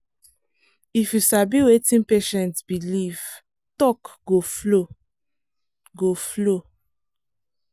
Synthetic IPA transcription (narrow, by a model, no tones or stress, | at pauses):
ifjusabiwetĩnpeʃɛ̃ntbiliv | tɔkɡoflo | ɡoflo